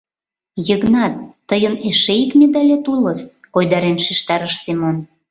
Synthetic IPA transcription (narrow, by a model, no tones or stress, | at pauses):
jəɣnɑt̪ːəjəneʃeikmʲed̪ɑlʲet̪uləs | kojd̪ɑɾenʃiʃt̪ɑɾəʃsemon